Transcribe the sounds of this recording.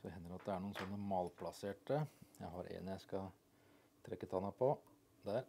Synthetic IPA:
sɔɛɦɛnːəɾɑt̪̚d̪ɛæɳuːnsɔnːəmɑːlpʰlɑseːʈəjæɪɦɑɾʔḛnjæɪskɑ | t̪ʰɾɛkːət̪ʰɑnɑpʰɔ | d̪æɾ

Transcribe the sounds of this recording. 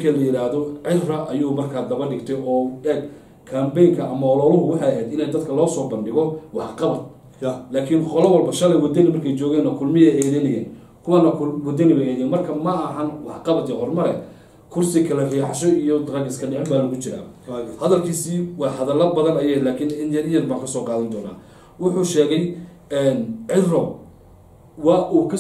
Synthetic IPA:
kʰɐlɐjɪɾaːhðɔʕɪrɐʔɐjuːmɐrkʰaːd̪ɐβɐrɖɪɡt̪ʰɛjɔːɛɡ | kʰɐːmbɛjŋkʰɐʔɐmɐɔlɔːlʊɦʊwɑħɑjɐɦɛːd̪ɪnɛjd̪ɐd̪kʰɐlɔːsɔːbɐnɖɪɣɔwɑħqɑβɐd̪̚ | laːkʰɪnqɔlɐwɐlbɐʃɐlɛjwɐd̪ɐnɪmɐrkʰɛjt͡ʃɔːɣɛːnɐkʰʊlmɪɛjɛːðɛnɐjɛːn | kʰʊwanɐkʰʊwɐd̪ɐnɪwɛɛːðɛnmɐrkʰɐmɐːɦɐnwɑħqɑβɐd̪ɛhɔrmɐɾɛ̰ | kʰʊrsɪkʰɐlɐriːħɑʃɔijɔd̪ɐɾɑɡɪskʰɐɖɪʕɛmbaːlɐɣʊt͡ʃɪɾa̰ːhɐðɐlkʰiːsiːwɑːhɐðɐlɐbɐðɐnɐjɛːlaːkʰɪnɪnjɐnɪjɐnbaːŋkʰɐsɔːqɑːðɐnd̪ɔːna̰ː | wʊħʊʃɛːɣɛj | ɛnʕɪrɔ | wɑːʔuːkʰɐ

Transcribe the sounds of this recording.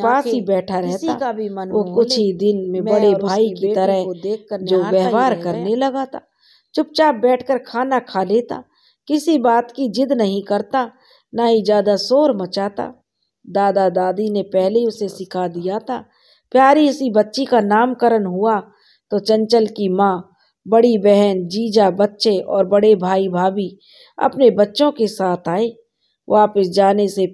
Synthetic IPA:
paːsibɛːʈʰaɾɛɦt̪ːabʱiənokkʊt͡ʃʰid̪ɪnmẽbɐɽebʱaːikit̪ɐɾəɦ̪eːəd͡ʒoːʋɛɦʋaːɾkɐɾnelɐɡat̪ʰaː | t͡ʃʊp̚t͡ʃaːbɛːʈʰkəɾkʰaːnakʰaːleːt̪a̰ː | kɪsibaːt̪kid͡ʒɪd̪nɐɦĩkɐɾt̪a | naɦid͡ʒaːd̪asoːɾmət͡ʃaːt̪a̰ | d̪aːd̪ad̪aːd̪inepɛɦleʊsesɪkʰad̪ijat̪ʰaː | pjaːɾiʊsibɐtːʃikanaːmkəɾənɦʊa | t̪ot͡ʃɐ̃nt͡ʃəlkimãː | bɐɽibɛɦɛnd͡ʒiːd͡ʒabɐtːʃeʔɔːɾbɐɽebʱaːibʱaːbi | ɐ̰pnebɐtːʃõkesaːt̪ʰaːeː | ʋaːpəsd͡ʒaːnese

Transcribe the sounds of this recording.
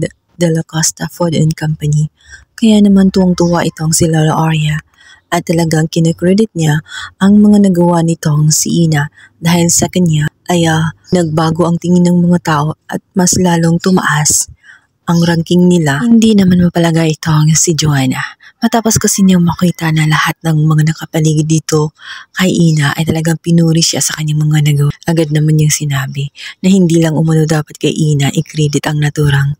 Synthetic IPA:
d̪ | d̪ɐlɐkast̪ɐfod̪ɛnkampɐni | kɐjanɐmant̪uʔɐŋt̪uːwaʔɪt̪o̞ŋsɪlalɐʔaɹɐ | ʔɐt̪ːɐlɐɡaŋkɪnɛkɹɛd̪ɪt̪̚ɲaʔɐŋmɐŋanɐɡɐwanɪt̪o̞ŋsḭʔiːna | d̪aːhɪlsɐkɐɲːaʔɐjanɐɡ̚baːɡo̞ʔɐŋt̪ɪŋɪnɐŋmɐŋat̪aːʔo̞ʔɐ̰t̪̚mɐslaːloŋt̪ʊmɐ̰ʔas | ʔɐŋɾaŋkɪŋnɪlahɪnd̪inɐmanmɐpɐlɐɡajʔɪt̪o̞ʔɐŋsɪd͡ʒohanɐmɐt̪aːposkɐsɪɲɐŋmɐkiːt̪ɐnɐlɐhat̪̚nɐŋmɐŋanɐkɐpɐliːɡɪd̪it̪o̞kɐjʔiːnɐʔɐ̰jt̪ɐlɐɡaŋpɪnuːɾɪʃasɐkɐɲːaŋmɐŋanɐɡɐwɐʔɐɡad̪̚nɐmanjʊŋsɪnaːbɪnɐhɪnd̪iːlɐŋʔʊmɐnod̪aːpɐt̪̚kɐ̰jʔiːnɐʔɪkɾɛd̪ɪt̪ʔɐŋnɐt̪uːɾɐŋ

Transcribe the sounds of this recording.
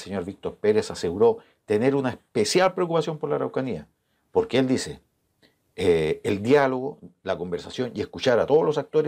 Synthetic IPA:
seɲo̞ɾβik̚t̪o̞ɾpeɾesase̞ɣuɾo̞ | t̪e̞neɾunaespesjalpɾeok̬upasjo̞mpoɾlaɾawkania | po̞ɾkeeld̪ise | eːld̪jalo̞ɣolako̞mbe̞ɾsasjo̞nieskut͡ʃaɾat̪o̞ðolo̞sak̚t̪o̞ɾe

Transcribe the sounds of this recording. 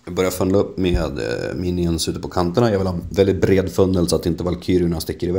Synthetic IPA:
jɑɡbœɾjaɾfœnaɵpːmeːd̪miːnɪənsʉ̟ːt̪əpʰɔkʰant̪əɳajɑɡvɪlhɑːɛnvɛld̪ɪt̪̚bɾeːd̪fœnːəlsɔat̪ɪnt̪əvalkʰyːɾɪɳanst̪ɪkːəɾɪvɛ

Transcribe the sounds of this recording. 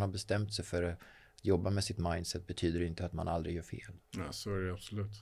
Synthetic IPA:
nhaɾbɛst̪ɛmt̪sɛjfœɾa | t̪jɔbːamɛsɪt̪majnd̪sɛt̪̚ːbɛt̪ʰyːd̪əɾɪnt̪əat̪ma̰nʔald̪ɾɪɡjœːɾfḛːlnɛsoæɖɛab̥sɔlʉ̟ːt̪

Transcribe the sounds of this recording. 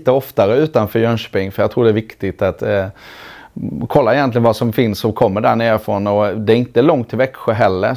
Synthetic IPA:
t̪əɔft̪aɾəʉ̟ːt̪anfœːɾjœnʂpɪŋːfœɾjɑːɡt̪ʰɾuːɖɛæːɾvɪkt̪ɪt̪at̪ | kʰɔlːaɪjɛnt̪lɪɡənvasɔmfɪnsɔkʰɔmːəɖæɳeːɾfɾɔnːɔd̪ɛæɾɪnt̪əlɔŋt̪ʰːɪlvɛkɧəɦɛlːəɾ

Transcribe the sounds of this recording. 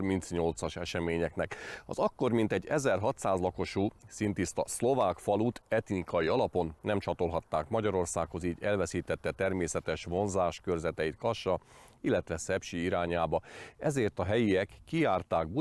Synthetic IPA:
rmint̪sɲo̞lt̪sɒʃɛʃɛmeːɲɛknɛkɒ̰zɒkːo̞rmint̪ɛɟːɛzɛrɦɒt̪saːzlɒko̞ʃuːsint̪ist̪ɒslo̞vaːkfɒlut̪ʰɛt̪nikɒjiɒlɒpo̞nːɛmt͡ʃɒt̪o̞lɦɒt̪ːaːkmɒɟɒɾo̞rsaːkho̞ziːɟɛlvɛsiːt̪ɛt̪ːɛt̪ɛrmeːsɛt̪ɛʃʋo̞nzaːʃkørzɛt̪ɛit̪kɒʃɒilːɛt̪ʋɛsɛpʃiiɾaːɲaːbɒɛzeːrt̪ɒɦɛjiɛkːiaːrt̪aːɡ̚bu

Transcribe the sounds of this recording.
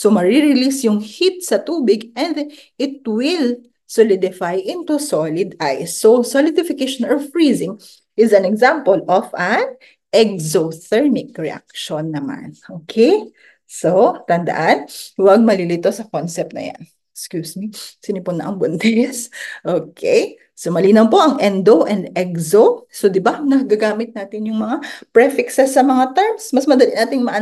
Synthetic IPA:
somɐɹiɹɪlisjʊŋhit̪̚sɐt̪uːbɪɡʔɛnd̪ | ʔɪt̪̚wɪl | solɪd̪ɪfajʔɪ̃nt̪usolɪd̪ʔajsːosolɪd̪ɪfɪkeʃonɔfɹizɪŋ | ʔɪzɐnɛɡzampolʔofʔɐn | ʔɛk̚zotɛɹnɪk̚ɹɛʔa̰k̚ʃonːɐma̰nʔoːkʰej | sot̪ɐnd̪ɐ̰ʔanwɐɡ̚mɐlilit̪o̞sɐkonsɛp̚t̪nɐ̰ja̰n | kskjuːsmisɪnɪpʊnːɐ̰ʔɐŋbond̪ɛsʔoːkʰɛj | somɐliːnɐwpo̞ʔɐŋʔɛnd̪oʔɛnd̪ɛkzosod̪ɪbanɐɡaɡaːmɪt̪̚naːt̪ɪnjʊŋmɐŋapɹɛfɪksɛsːɐmɐŋat̪ɛɹmsmɐsmɐd̪ɐlinaːt̪ɪŋmɐʔɐ

